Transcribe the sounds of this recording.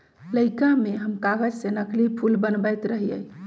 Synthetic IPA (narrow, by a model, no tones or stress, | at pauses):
ləɪkameɦəmkaɡəd͡ʒsenəklipʰulbənbəjt̪ɾəɦijə̰j